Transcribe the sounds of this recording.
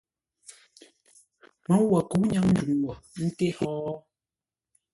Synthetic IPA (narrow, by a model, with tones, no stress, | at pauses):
mɔ˨˦wa˨ku˨˦ɲa˦ŋn̩˦du˨ŋwɔ˨n̩˦te˦hɔː˦